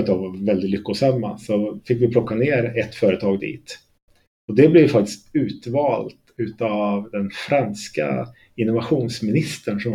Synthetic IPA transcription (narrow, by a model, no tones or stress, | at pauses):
t̪avvɛld̪ɪt̪lʏkːʊsamːa̰sɔfɪkːvɪpʰlɔkːaneːɾɛt̪ːfœːɾət̪ʰɑːɡd̪ḭːt̪ | ɔd̪ɛblɛjfak̚t̪ɪ̥st̪ʉ̟ːt̪vɑːlt̪ʉ̟ːt̪avd̪ɛnfɾanska̰ | ɪnːʊvaɧuːnsmɪnɪst̪əɳʂɔm